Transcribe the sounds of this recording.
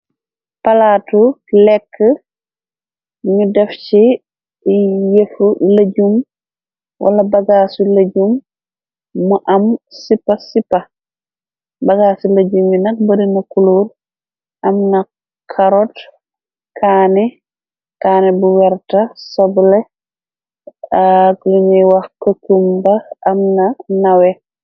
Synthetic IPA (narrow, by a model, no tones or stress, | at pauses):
palatulɛkʰːə | ɲudɛft͡ʃi | jefulaɟum | wʔa̰lɐbɐɡasulaɟumː | uʔɐmsipːasipːa | baɡasulad͡ʒuminak̚baɾinakuloɾ | ʔamna | kʰaɾɔt | kʰanɛ | kaːnɛbuwɛɾtasablɛ | akjumiwahkokumbaamnanawɛ